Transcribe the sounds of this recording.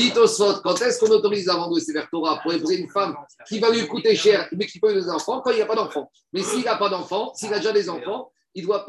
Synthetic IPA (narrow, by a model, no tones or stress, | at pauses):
it̪osfɔt̪kɑ̃t̪ɛskɔ̃not̪ɔʁizlavɑ̃d̪esevɛʁt̪ɔʁapuʁd̪epuzeynfamkʲivalɥikut̪eʃɛʁmɛkʲipød̪ezɑ̃fɑ̃kɑ̃ilapad̪ɑ̃fɑ̃ | mɛsiːlapad̪ɑ̃fɑ̃siːlad̪eʒad̪ezɑ̃fɑ̃ | ild̪wap